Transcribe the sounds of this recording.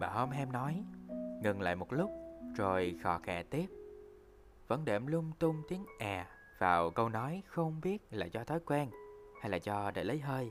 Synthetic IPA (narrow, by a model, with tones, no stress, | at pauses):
ɓaː˨˩ho˧mɦɛ˧mnɔ˨˦jŋɨ˨˩ŋla̰ː˧˨jmo˨˩t̚lʊ˦˥k͡p̚zo˨˩jxɔ˧˩xɛ̰ː˧˩t̪i˦˥p̚ | və̰˧˥nɗe˧˩mlʊ˧ŋ͡mt̪ʊ˧ŋ͡mt̪i˨˦əŋʔaː˨˩ | vaː˨˩wkə˧wnɔ˨˦jxə˧wŋ͡mɓi˦˥ət̚laː˨˩zɔ˧t̪ʰɔ˨˦jkwɛː˧nha˧jlaː˨˩zɔ˧ɗḛ˧˩lə˨˦jɦəː˧j